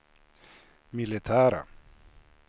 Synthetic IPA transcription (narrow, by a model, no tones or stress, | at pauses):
milet̪ʰaːɾa̰